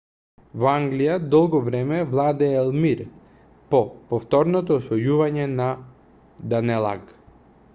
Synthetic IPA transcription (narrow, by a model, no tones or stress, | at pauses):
vaŋɡlijad̪ɔlˠɡɔvɾɛmɛvlˠad̪ɛɛlˠmiɾ | pɔpɔft̪ɔɾnɔt̪ɔːsvɔjuvaɲɛna | d̪anɛlˠa̰ɡ